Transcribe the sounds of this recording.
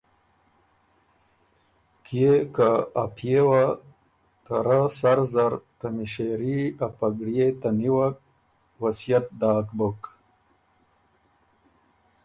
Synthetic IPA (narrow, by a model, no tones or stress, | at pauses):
kjekaːpʰjewa | t̪aɾasaɾzaɾt̪amiɕeɾiapaɡɽjet̪aniwak̚ | wasijat̪̚d̪aːkbuk